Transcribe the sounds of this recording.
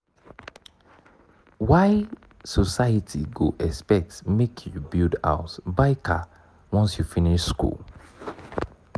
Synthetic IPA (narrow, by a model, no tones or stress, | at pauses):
waɪ | sɔsaɪətʰiɡo̰ʔɛspɛk̚tmekʰjɔbilda̰ʊtbaɪkʰa̰ | wɔ̃nsjufiniʃskṵl